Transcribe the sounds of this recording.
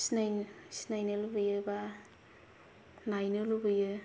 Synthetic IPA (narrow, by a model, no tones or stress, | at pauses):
snajsi̥najnɯlubɯjɯba | najnɯlubɯjɯ